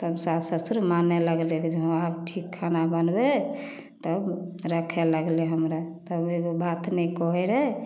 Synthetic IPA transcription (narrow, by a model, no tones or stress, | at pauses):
t̪əbsasəsuɾmaneləɡlekd͡ʒeɦabʈʰikʰːanabənbe | t̪əbɾəkʰɛləɡlɛɦəmɾat̪əbeɡobat̪ʰnɛkɔɦɛɾɛ